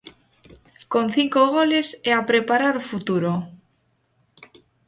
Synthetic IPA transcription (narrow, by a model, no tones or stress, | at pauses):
ko̞nθiŋkoɣole̞seapɾepaɾaɾofut̪uɾo